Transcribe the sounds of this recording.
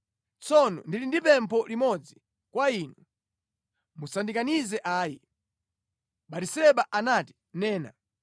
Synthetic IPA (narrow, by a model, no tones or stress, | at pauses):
t͡sɔnɔ̰ndilindipɛmpʰɔlimɔd͡zi | kwainu | musandikanizɛʔaːji | ɓatisɛɓaʔanati̥ | nɛːna̰